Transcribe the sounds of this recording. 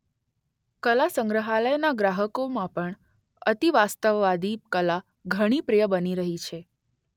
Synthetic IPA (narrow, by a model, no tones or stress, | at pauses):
kəlasəŋɡɾəɦaləjnaɡɾaɦəkomãpəɳ | ət̪iʋast̪əʋːad̪ikəla | ɡʱəɽ̃ipɾejəbəniɾəɦit͡ʃʰe